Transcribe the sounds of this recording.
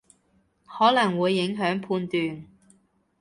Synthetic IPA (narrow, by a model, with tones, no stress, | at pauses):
hɔː˨˥lɐ˨˩ŋwuː˨˧jːɪ˨˥ŋɦœː˨˥ŋpʰuː˧nt̪yː˨n